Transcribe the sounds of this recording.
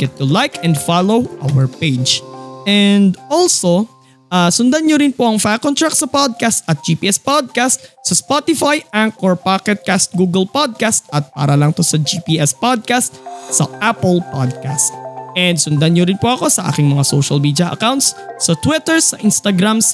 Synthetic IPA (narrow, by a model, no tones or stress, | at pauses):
ɡ̥ɛt̪̚t̪ʊlajkʰɛnd̪falowʔa̰wɛɹped͡ʒʔɛnd̪ʔɔlso | ʔasʊnd̪anɲoɾɪnpoʔɐŋfakont̪ɹak̚sɐpod̪̚kast̪ʔɐt̪̚d͡ʒiːpiːʔɛspod̪̚kast̪̚sɐspot̪ɪfajɛnkoɹpakɛt̪̚kast̪̚ɡuːɡɛlpod̪̚kast̪̚ʔɐt̪̚pa̰ːɾɐlɐŋt̪o̞sɐd͡ʒiːpiːʔɛspod̪̚kast̪̚sɐʔapɛlpa̰d̪̚kast̪̚ʔɛnd̪sʊnd̪anɲoɾɪnpoʔɐko̞sɐʔa̰ːkɪŋmɐŋasowʃɐlmid̪jɐʔɐ̰kawnt̪sːɐt̪wɪt̪ɛɹsɐʔɪnst̪aɡɾams